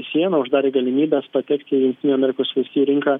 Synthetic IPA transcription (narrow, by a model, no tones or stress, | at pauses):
sʲiɛnɐʊʒd̪ɑːɾʲeːɡɐlʲɪmʲiːbʲɛspɐt̪ʲɛkt̪ʲɪjʊŋʲkʲt̪ʲɪnʲuːɐmʲɛɾʲɪkoːsʋʲɪsʲiːɾʲɪŋkɐ